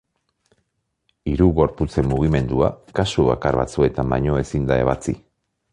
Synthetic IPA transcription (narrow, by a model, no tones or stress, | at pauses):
iɾuɣo̞ɾput͡se̞mːuɣime̞nd̪uakasuβakaɾβa̰t͡sue̞t̪amba̰ɲo̞e̞sind̪ae̞βat͡sḭ